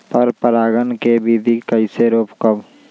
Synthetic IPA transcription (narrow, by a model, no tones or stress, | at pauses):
pəɾpəɾaːɡənkebʱid̪ʱikəiɪseɾoːpkəb